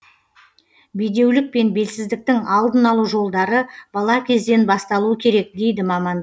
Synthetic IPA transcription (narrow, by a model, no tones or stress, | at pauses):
bijd̪e̞wlɪk̚pe̞nbe̞lsɪzd̪ɪk̚t̪ɪŋɑlˠd̪ənɑlˠuʒo̞lˠd̪ɑɾəbɑlˠɑkʲʰe̞zd̪e̞nbɑst̪ɑlˠuəkʲʰe̞ɾe̞k̚d̪e̞jd̪ɪmɑmɑnd̪